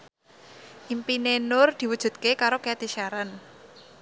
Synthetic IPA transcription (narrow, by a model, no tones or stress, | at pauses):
ʔimpinenʊrd̪̥i̤wud̥ʒ̥ṳd̪̚kekaɾokeat̪iʃaɾan